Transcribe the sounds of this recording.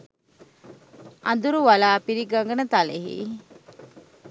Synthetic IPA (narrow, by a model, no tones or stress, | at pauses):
ʔɐ̰nd̪uɾuʋalaːpiɾiɡaŋɡənət̪aleɦḭː